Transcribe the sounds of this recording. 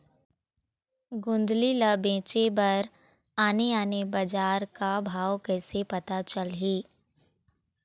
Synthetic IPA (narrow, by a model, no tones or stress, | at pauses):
ɡʊ̃nd̪liləbẽːt͡ʃebɐɾ | aːneaːnebɐd͡ʒaːɾkabʱaːwkɛːsepɐt̪at͡ʃəlɦiː